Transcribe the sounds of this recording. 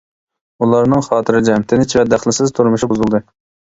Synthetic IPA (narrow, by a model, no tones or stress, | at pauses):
ulˠɑɾnɨŋχɑːt̪ʰɨɾɪd͡ʒɛmt̪ʰɪnɪt͡ʃʰivɛd̪æχlˠɪsɪzt̪ʰuɾmuʃibuzulˠd̪ɨ